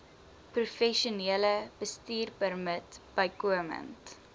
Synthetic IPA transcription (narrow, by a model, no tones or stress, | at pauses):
prufɛʃuniələb̥əstiːrpərmətb̥əjkuəmə̰nt